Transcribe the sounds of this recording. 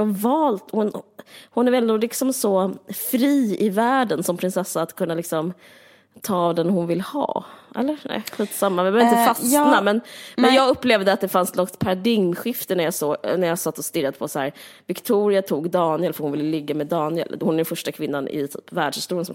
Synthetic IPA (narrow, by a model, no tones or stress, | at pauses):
avɑːlt̪hʊnhʊnæɾɛnd̪ɔlɪksɔmsɔfɾiːɪvæːɖənsɔmpʰɾɪnsɛsːaːt̪kʰɵnːalɪksɔm | t̪ʰɑːvd̪ɛnhʊnvɪlːhɑ̰ːʔɛ̰lːəɾnɛ̰ɧiːt̪samːavbœɾvɾɪɪt̪fasnamɛnmɛnjɑːɡɵpːleːvd̪əat̪̚d̪ɛfanslɔkt̪pʰaɾad̪ɪɡmɧɪft̪ənæɾjɑsoːɡnæɾjɑːsat̪ːɔst̪ɪɾːad̪əpʰɔsahæːɾ | vɪkt̪ʰuːɾɪat̪ʰuːɡd̪ɑːnɪɛlfœɾhʊnvɪlːəlɪɡːamɛd̪ɑːnɪɛ̰lhʊnæɾɛnfœʂʈakʰvɪnːanɪ̰t̪ʰy̰ːpvæːɖʂhɪst̪uːɾɪənsɔm